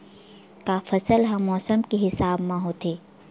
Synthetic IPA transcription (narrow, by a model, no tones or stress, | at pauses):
kafɐsəlɦɐ̃mːɔːsəmkeɦɪsaːbmãɦoːt̪ʰeː